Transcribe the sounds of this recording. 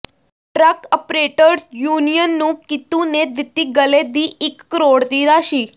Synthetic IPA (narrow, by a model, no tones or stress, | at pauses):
ʈɾəkɔpɾeʈəɾsjunijənːũːkit̪uned̪it̪ːiːɡəled̪iːʔikːɾoɽt̪iːɾaʃiː